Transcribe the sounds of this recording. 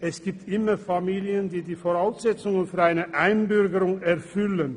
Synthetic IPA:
ʔɛsɡ̥iːp̚tʔɪmɐfamiːljəndiːdiːfoʁaʊsz̥ɛt͡sʊŋənfyːɐʁaɪnəʔaɪnbʏʁɡəʁʊŋɛɐfʏlən

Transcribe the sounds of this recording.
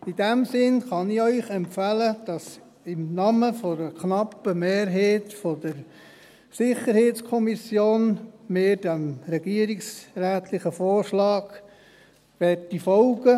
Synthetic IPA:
id̥ɛmsɪnχɑnɪœʏχɛmpfæləd̥ɑs | ɪmnɑməfɔɾəknɑpːəmeːɾɦeːtfɔd̥əɾ | sɪχəɾheːtt͡skʰɔmisjoːnmeːd̥æmɾɛɡ̥iəɾɪksræːt̪ʰlɪχəfoːrʃlɑːɡ̥ | ʋɛtːifɔlɡə

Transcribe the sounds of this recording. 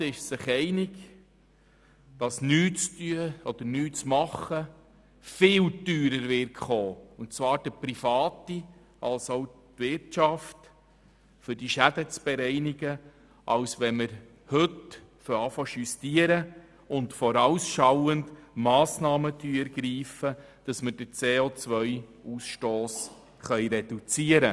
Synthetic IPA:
ɪʃsɪχɛɪnɪɡ | d̥ɑsnyːt͡styəɔd̪̥əɾnyːt͡smɑχːə | fɪːltyːɾəɾvɪrkχoːʊntt͡svɑːɾd̥əpɾifɑːti | ɑlsoʊtvɪɾtt͡ʃɑft | fʏɾd̥iʃæd̥ət͡sb̥ɛɾɛɪnɪɡə | ʔɑwsʋɛnməɾ | hɵt | fɔɾɑfɔʃystiəɾə | ʊntfɔɾɑwsʃɑwəndmɑːsnɑːmətyːɛɾɡ̥ɾiːfəd̥ɑsməd̥ət͡seːoːt͡sʋœjuːsʃtoːs | χœjɾɛd̥ut͡siəɾə

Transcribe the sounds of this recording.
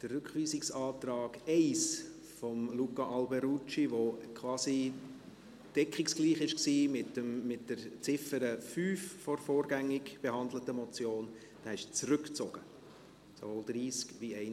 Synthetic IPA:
d̥ərːʉkχʋiːsɪksɑːtrɑːɡ̥ɛɪs | fɔmlukɑʔɑlbɛɾut͡ʃiʋokʰʋɑːsi | d̥ɛkχiksɡ̥liːχɪʃksiːmɪtəmːɪtd̥əɾt͡sɪfəɾəfyːffɔɾfɔːɾɡæŋːɪkb̥ehɑnd̪lətəmɔt͡sjoːn | d̥æːɪʃt͡srʏkt͡soɡ̥ə | so̰voːld̥̪ɾiːskʋiɛɪ

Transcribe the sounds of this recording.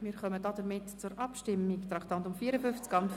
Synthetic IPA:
mɪːɾχœmədɔdəɾmɪtt͡sʊɾʔɑpʃtɪmːiktɾɑkt̪ɑntʊmfiːəɾəfʏft͡skɑnt

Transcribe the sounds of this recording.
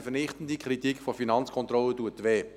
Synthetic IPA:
fənɪχtən̩d̪ikʰɾitikfɔfinɑnt͡skʰɔnt̪ɾɔlətuətʋeː

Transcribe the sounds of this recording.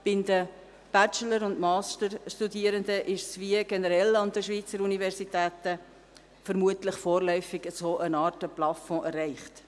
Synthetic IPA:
b̥ɪnd̪ə | b̥æt͡ʃələɾʊndmɑːstəɾʃtudiːəɾənd̪əʔɪʃsʋiəɡɛnəɾɛlɑnd̪əʃʋiːt͡səɾunivɛɾsitæːtə | fəɾmuətləχfoːɾlœʏfɪɡ̥əsoːʔənɑːtəplɑfɔ̃ʔɛrːæɪχt

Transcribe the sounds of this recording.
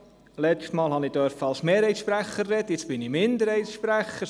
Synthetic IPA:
lɛstmɑːlˠhɑnid̥œɾfəɑlsmeːɾhɛɪsʃpɾæχərːɛdəjɪt͡ssb̥ɪnimɪnd̪əɾhɛɪjtsʃpɾæχə

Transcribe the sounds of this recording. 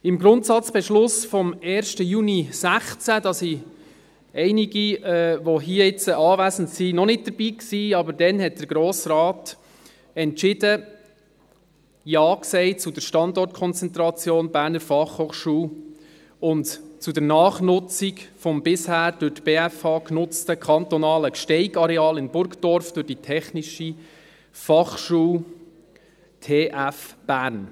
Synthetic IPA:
ɪmɡɾʊntsɑt͡sb̥ɛʃlʊsfɔmɛːɾʃtəjunisæχt͡sædɑsi | ɛɪniɡiɛʋoɦiəɪt͡səʔɑːvæsəntsinɔnɪt̚d̥əɾbiːksiːɑbəɾdɛnɦɛt̚d̥əɾɡɾoːsrɑːt | ɛntt͡ʃɪdə | jɑːksɛɪt͡sʊdəɾʃtɑndɔrtkʰɔnt͡sɛnt̪ɾɑt͡sjoːnbæːɾnəɾfɑχhoːχʃuː | ʊntt͡sudɛɾnɑːχnʊt͡sikfɔmbɪshæːɾd̥ʊtb̥eːæfɑːknʊt͡stəkʰɑnt̪ɔnɑːləkʃtɛɪɡɑɾɛɑːlɪnbʊɾkd̥ɔɾfd̥ʊɾd̥itʰɛχniʃi | fɑχʃuːl | tʰeːʔæfb̥æːɾn

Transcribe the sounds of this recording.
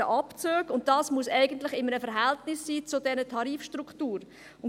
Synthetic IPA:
əʔɑpt͡søːɡʊnt̚d̥ɑːsmuəsɛɪɡəntlɪχɪmːəɾəfəɾɦɛltnɪsːiːt͡sʊdɛɾətʰɑɾiːfʃtɾuktuːɾ | ʊn

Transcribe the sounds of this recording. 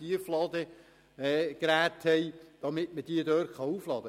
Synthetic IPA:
iəflɑd̪ə | ɛːkɾæːt̪hɛjd̥ɑmɪtməd̥iədøːɾχɑuːflɑd̥̪ə

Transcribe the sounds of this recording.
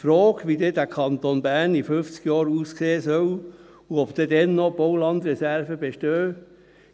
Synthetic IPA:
fɾɔːkʋid̪edækʰɑnt̪onbæɾnifʏft͡skjɑːɾuːskseːsœw | uɔpd̪̥ɛd̪ɛnːɔb̥oʊlɑnd̪rɛsæɾvəbeʃtøː

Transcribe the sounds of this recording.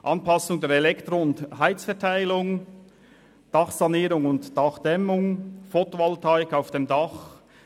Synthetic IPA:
ʔɑnpɑsʊŋdeːɾɛlɛktʁoʊnthaɪt͡sfɛɐtʰaɪlʊŋ | d̥ɑχsɑniːɾʊŋʊntd̥ɑχd̥ɛmʊŋfotoɑltʰaʏkaʊfd̥emdɑχ

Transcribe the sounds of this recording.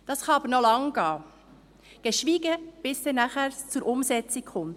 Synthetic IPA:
d̥ɑsχɑɑbəɾnɔlɑŋɡ̥ɑː | ɡ̥ɛʃʋiːɡəb̥ɪsdɛːnæχæɾt͡suɾʔʊmsɛt͡sikχʊmt

